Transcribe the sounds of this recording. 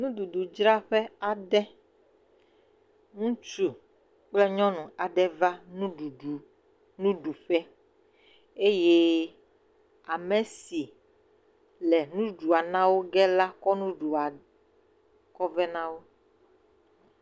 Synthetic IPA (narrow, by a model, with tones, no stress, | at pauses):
nũ˦ɖu˨ɖu˨d͡ʒɾa˦ɸɛ˦a˨ɖɛ˦ | ŋũ˦t͡ʃu˨ | k͡plɛ˦ɲɔ̃˦nũ˨a˨ɖɛ˦va˦nũ˦ɖu˨u˨ | nũ˦ɖu˨ɸɛ˦ | e˦je˦ | a˨mɛ˨si˨ | lɛ˨nũ˦ɖu˨a˨nã˦wo˦ɡɛ˦la˦kɔ˦nũ˦ɖu˨a˨ | kɔ˦vɛ˦nã˦wo˦